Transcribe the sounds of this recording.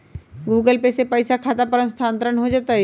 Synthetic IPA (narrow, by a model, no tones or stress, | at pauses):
ɡuːɡəlpesepəɪsakʰaːt̪apəɾə̃nst̪ʰãːnt̪ɾənɦod͡ʒaːt̪aɦɛ